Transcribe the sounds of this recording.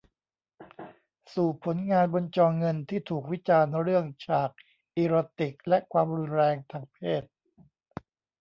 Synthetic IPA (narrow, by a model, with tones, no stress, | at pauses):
suː˨˩pʰːo˩˦nŋaː˧nbo˧nt͡ɕɔː˧ŋŋɤ˧nt̪ʰiː˥˩t̪ʰuː˨˩k̚wi˦˥t͡ɕaː˧nɾɯ˥˩əŋt͡ɕʰaː˨˩k̚ | ʔiː˧ɾoː˧t̪i˨˩k̚lɛ˦˥kʰwaː˧mɾu˧nɾɛː˧ŋt̪ʰaː˧ŋpʰeː˥˩t̪̚